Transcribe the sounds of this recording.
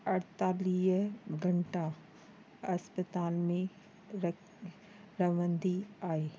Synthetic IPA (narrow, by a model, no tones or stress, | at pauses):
ɐɽt̪aːliːɦɡʱɐɳʈa | ɐspət̪aːlmẽ | ɾɐʋənd̪iaːɦeː